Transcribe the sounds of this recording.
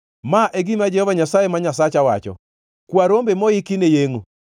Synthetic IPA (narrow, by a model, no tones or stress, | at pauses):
maʔeɡimad͡ʒɛhɔvaɲasajemaɲasat͡ʃawa̰t͡ʃɔ̰ | kwaɾombemɔikinejeŋo